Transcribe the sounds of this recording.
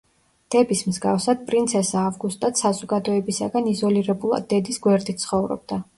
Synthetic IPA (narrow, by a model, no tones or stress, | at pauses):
d̪̥ɛbismzɡafsad̪̥̚pʼɾint̪sʰɛsaːvɡust̪ʼat̪sazɔɡad̪ɔɛbisa̰ɡanizɔliɾɛbulˠa̰d̪ːɛd̪isɡwɛɾd̪it̪t̪sʰχɔvɾɔ̰b̚d̪a